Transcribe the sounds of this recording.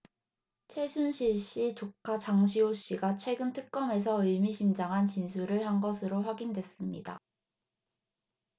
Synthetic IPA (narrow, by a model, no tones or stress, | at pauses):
t͡ɕʰwe̞sʰunɕʰiɭɕ͈itokʰat͡ɕaŋɕʰioɕ͈iɡat͡ɕʰwe̞ɡɯntʰɯk̚k͈ʌme̞s̬ʰʌɯɭmiɕʰimd͡ʑaŋɦant͡ɕinsʰuɾɯɭhanɡʌsʰɯɾoɸwaɡindwe̞s͈ɯmɲḭda̰